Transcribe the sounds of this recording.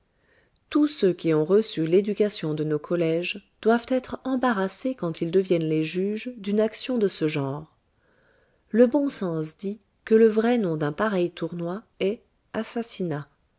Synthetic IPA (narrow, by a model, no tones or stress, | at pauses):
t̪usøkʲiɔ̃ʁəsyled̪ykasjɔ̃d̪ənokʰɔlɛʒd̪̥wav̥t̪ɛt̪χɑ̃baʁasekɑ̃t̪ild̪əvjɛnleʒyʒd̪ynaksjɔ̃d̪əsəʒɑ̃ːʁ | ləbɔ̃sɑ̃sd̪i | kələvʁɛnɔ̃d̪ɛ̃paʁɛjt̪ʰuʁnwa | ɛ | asasina